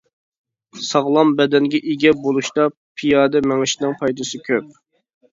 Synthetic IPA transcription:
sɑʁlˠɑmbɛd̪ɛnɡʲɛʔiɡʲɛbolˠuʃt̪ɑ | pʰijɑːd̪ɛmɛŋɪʃnɨŋpʰɑjd̪ɨsɪkʲʰøp̚

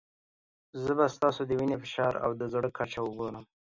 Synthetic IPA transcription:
zəbast̪ɑsod̪əwinefɪʃɑɾa̰wd̪əzɽəkʰːat͡ʃawəɡoɾəm

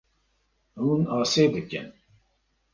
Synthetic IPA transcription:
huːnɑːseːd̪ɨkɨ̰n

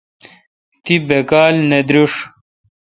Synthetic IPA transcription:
t̪ibekaːlned̪ɾuʂ

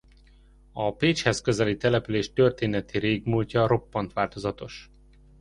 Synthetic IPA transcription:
ɒpeːt͡ʃhɛskø̞zɛlit̪ɛlɛpyleːʃt̪ø̞rt̪eːnɛt̪iɾeːɡmuːlcɒɾo̞pːɒnt̪ʋaːlt̪o̞zɒt̪o̞ʃ

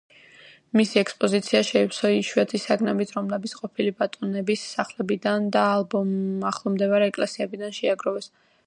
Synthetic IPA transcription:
misiɛkspʼɔzit̪sʰiaʃɛipsɔiʃɛt̪ʰisaɡnɛbit̪ʰɾɔmlɛbit̪sqʼɔpʰilibat̪ʼɔnɛbisaχlɛbid̪and̪aːlˠbɔmaχlˠɔmd̪ɛvaɾɛːkʼlɛsiɛbid̪anʃɛaɡɾɔvɛs

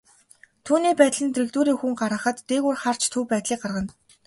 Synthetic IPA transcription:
t̪ʰuːniːpæːt̪ɮɘ̆nt̪ʰrĭkt̪uːɾiːŋxuŋɢaɾə̆χə̆t̪ːeːɣuːrχar̥t͡ɕt̪ʰuːpæːt̪ɮiːk̚ɢarʁə̆n

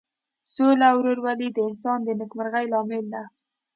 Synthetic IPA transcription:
solawɾoɾwalid̪əɪnsɑnd̪ənəkmaɾɣajlɑmɪld̪a

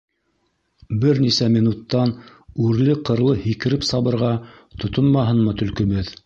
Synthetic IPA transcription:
bɘɾnisæmʲinut̪ːɑn | ʉɾlɘqɤ̆ɾlˠɤhikɘ̆ɾɘpsɑβɤ̆ɾʁɑ | t̪ŏt̪onmɑɦɤnmɤt̪ɵ̆lkɵ̆βɘð

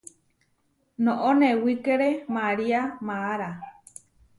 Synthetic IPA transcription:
nõʔonewikeɾemaɾiamaːɾa

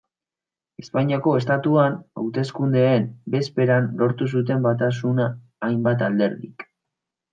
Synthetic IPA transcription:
e̞spaɲiako̞e̞st̪at̪uana̰wt̪e̞skund̪eːmbe̞spe̞ɾanlo̞ɾt̪us̬ut̪̬e̞mbat̪as̬unaː | jmbat̪ald̪e̞ɾðik

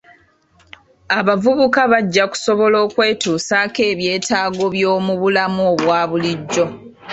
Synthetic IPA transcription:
aβavuβukaβaɟːaku̥so̞βo̞lo̞ːkwe̞ːtuːsaːke̞ːβje̞ːtaːɡo̞βjo̞ːmuβulamuoβwaːβuliɟːo̞

